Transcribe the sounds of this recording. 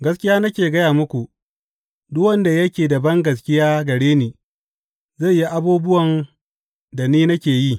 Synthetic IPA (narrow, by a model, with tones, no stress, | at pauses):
ɡɐ˦skʲɪ˦jaː˦nɐ˦kʲeː˨ɡɐ˦jaː˨mʊ˦kʷu˨ | dʊ˦wɐ˦nda˨jɐ˦kʲeː˨da˨bɐ˦ŋɡɐ˨skʲɪ˦jaː˦ɡɐ˨ɽeː˦niː˨ | za˦˨ji˦ʔa˦buː˦bʊ˦wɐ˨n | da˨niː˦nɐ˦kʲeː˨ji˦